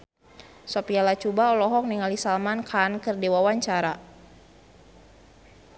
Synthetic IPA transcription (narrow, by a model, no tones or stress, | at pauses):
sɔpialat͡ʃubaɔlɔɦɔk̚niŋalisalmankʰankɨrdewawaɲt͡ʃaɾa